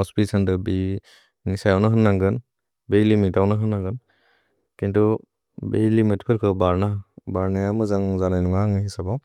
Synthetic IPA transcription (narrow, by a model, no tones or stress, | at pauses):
ɔspisandɯbi | nisajawnɯɦɯnːaŋɡɯn | bejlimitawnɯɦɯnːaŋɡɯn | kintu | bejlimeti̥pʰɯlkʰɯbaɾnabaɾnajamɯzaŋzanajnuŋaŋɯhisabaw